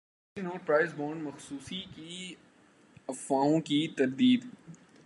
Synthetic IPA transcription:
inoːʈ̚pɾaːɪzboːɾɳɖmɐxsuːsiki | ɐfːaːõkit̪ɐɾd̪iːd̪

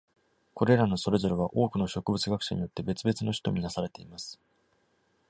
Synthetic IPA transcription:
ko̞ɾe̞ɾano̞so̞ɾe̞zo̞ɾeβ̞aʔo̞ːkɯ̟no̞ɕo̞kɯ̟bɯt͡sɨɡakɯ̟̥ɕa̰ɲ̟ijo̞t̪ːe̞be̞t͡sɨbe̞t͡sɨno̞çi̥t̪o̞mʲinasaɾe̞t̪eimasɨ̥

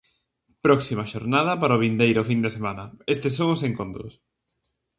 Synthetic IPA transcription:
pɾɔksimɐʃoɾnað̞ɐpaɾoβind̪ejɾofind̪esemanɐest̪esːoŋʊseŋkont̪ɾʊ̰s

